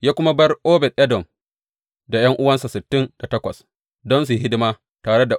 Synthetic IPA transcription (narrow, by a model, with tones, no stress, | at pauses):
jaː˦kʷʊ˦ma˦bɐ˦rʔoː˦bɛ˨tʔɛ˦dɔ˨m | da˨jɐ˦ŋʔʊ˦wɐ˦nsa˨sɪ˨tːɪ˦nda˨tɐ˦kʷɐ̰˨s | dɔ˦ns̬i˨ɦɪ˦dɪ˦maː˦ | taː˨ɽe˦da˨